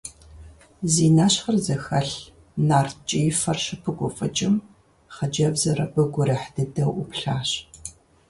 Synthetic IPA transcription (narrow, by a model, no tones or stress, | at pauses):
ziːnaːɕχɐrzɐxɐɬ | naːrt̚t͡ʃʼijfɐrʃɨpʰɨɡʷʼʊfʼɐt͡ʃʼɪm | χɐd͡ʒɐbzɐrɐbɨɡʷʊɾɐħdɨdɐwʔʊpɬaːɕ